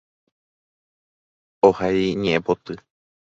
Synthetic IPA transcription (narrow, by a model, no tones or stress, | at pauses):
ohajɲẽʔẽpot̪ɨ